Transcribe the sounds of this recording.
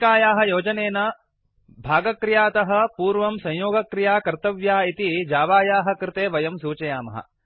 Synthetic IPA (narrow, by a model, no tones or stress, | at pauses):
kaːjaːɦɐ̆joːd͡ʒɐneːnɐ | bʱaːɡɐkɾɪjaːt̪ɐɦɐ̆puːɾʋɐmsɐ̃jjoːɡɐkɾijaːkɐɾt̪ɐʋjaːit̪id͡ʒaːʋaːjaːɦɐ̆kɾɪt̪eːʋɐjɐmsuːt͡ʃɐjaːmɐ̰ɦɐ̰